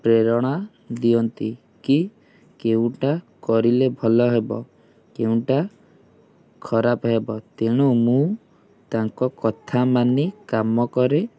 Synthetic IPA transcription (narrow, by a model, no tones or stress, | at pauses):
pɾeɾɔɽ̃a | d̪iɔnt̪i | ki | keũʈakɔɾilebʱɔlɔɦebɔ | keũʈa | kʰɔɾapɔɦebɔt̪eɽ̃umũ | t̪aŋkɔkɔt̪ʰamanikamɔkɔɾe